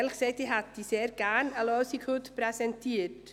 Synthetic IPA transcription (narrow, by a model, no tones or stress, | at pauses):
ɛlxsɛɪtdiːɦat̚d̥iːseːɾɡænəlosikhutprɛsɛntiːt